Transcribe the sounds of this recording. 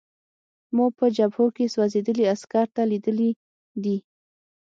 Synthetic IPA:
muɡ̚pəd͡ʒabhokeswazed̪əliaskaɾt̪alid̪əli | d̪i

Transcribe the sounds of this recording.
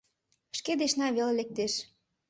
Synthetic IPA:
ʃked̪eʃnɑβelelek̚t̪eʃ

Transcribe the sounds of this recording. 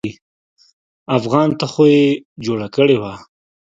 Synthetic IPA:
i | afɣɑnt̪axojed͡ʒoɽakəɽewa

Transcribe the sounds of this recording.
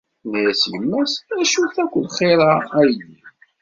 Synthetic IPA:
nijæsjəmːæsæʃuθækʷːəlχeɾˤaæjni

